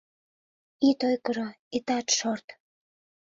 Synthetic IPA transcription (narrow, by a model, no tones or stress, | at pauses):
it̪ojkəɾo | it̪ɑt̪ʃort̪